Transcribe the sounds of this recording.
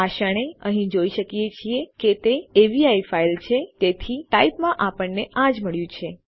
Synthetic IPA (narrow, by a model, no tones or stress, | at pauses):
aʃəɽ̃eəɦĩd͡ʒoiʃəkijet͡ʃʰieket̪eeʋiaifailt͡ʃʰet̪et̪ʰiʈaipmãʔapəɳneʔãd͡ʒməɭjũt͡ʃʰe